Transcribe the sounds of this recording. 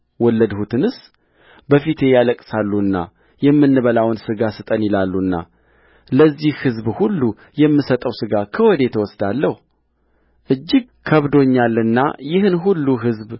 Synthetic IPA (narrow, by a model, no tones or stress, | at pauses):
wɔlːəd̪hut̪ʰɨnɨs | bəfit̪ʰe̞jaləkʼsalːuɨnːa̰ | jɛmːɨnːɨβəlawnsɨɡasɨt̪ʼənjɪlalːuɨnːa̰ | ləzːihhɨzbhulːu | jɛmːɨsət̪ʼəwsɨɡakʰəwɔd̪e̞t̪ʰəwɔsd̪alːəhu | ʔɨd͡ʒːɪɡkʰəβd̪o̞ɲːalːɨnːa̰jɪhɨnɦulːuɦɨzb